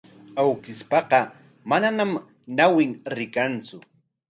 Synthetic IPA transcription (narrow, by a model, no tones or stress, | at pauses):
awkɪspɑqɑ | mananam | nawɪŋɾɪkant͡sʊ